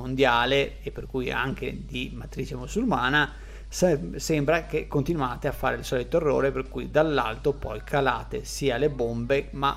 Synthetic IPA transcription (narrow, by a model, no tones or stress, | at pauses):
ond̪jaːleːpːerkuja̰ŋk̟ḛd̪imat̪ɾit͡ʃemusulmaːna | ssɛmbɾak̟ekːont̪inuaːt̪eafːa̰ːɾeilsɔːlit̪oerːo̰ːɾeperkujd̪alːa̰lt̪opɔjkʰala̰ːt̪esiːalebombema̰